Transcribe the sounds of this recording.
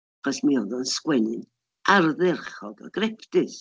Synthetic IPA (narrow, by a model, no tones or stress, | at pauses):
χɔsmiɔðɔnskwɛnɨn | ʔarðɛrχɔdɔ̰ɡ̥rɛpʰtɨs